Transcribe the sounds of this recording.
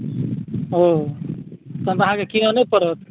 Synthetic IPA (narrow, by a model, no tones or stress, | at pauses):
o | t̪õt̪əɦãkekinonepəɾət̪